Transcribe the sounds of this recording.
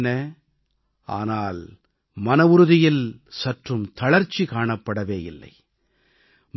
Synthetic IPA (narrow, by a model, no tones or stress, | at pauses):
nɐ | a̰ːnaːl | mɐnɐʋʊɾʊðɪjɪlsɐʈrɯmt̪ɐɭɐɾt͡ʃːikaːɳɐpːɐɽɐʋeːjɪ̰lːɐ̰ɪ | m